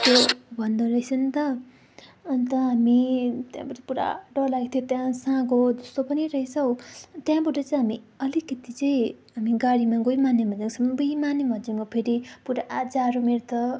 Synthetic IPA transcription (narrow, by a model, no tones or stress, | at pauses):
t̪jobʱʌnd̪ʌɾʌɦjsʰʌnt̪ʌː | nt̪ʌɦamit̪jã̰bʌʈʌpuɾa̰ɖʌlaɡt̪ʰjot̪jãsãɡod͡zʌst̪opʌniɾʌisʰʌwt̪jãbʌʈʌt͡sʌĩɦami | ʌlikʌt̪it͡sʌĩɦamiɡaɽimaɡojmanːemʌd͡zaksʰʌmbujmanːemʌd͡ziŋkopʰeɾipuɾaʔad͡zaɾomeɾt̪ʰʌ